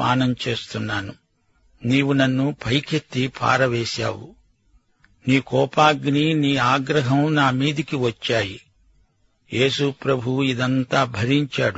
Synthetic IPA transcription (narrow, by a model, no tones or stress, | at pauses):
a̰ːnɐmt͡ʃe̞ːst̪unːaːnu | niːwunɐnːupʰɐjkʰet̪ːipʰa̰ːɾɐʋeːsa̰ːwṵ | niːkɔːpaːɡniniːaːɡɾɐɦɐmnaːmiːd̪ikiʋɐt͡ʃːaːjḭ | je̞ːsupɾɐbʱuwuid̪ɐnt̪aːbʱɐɾiɲt͡ʃaːɽu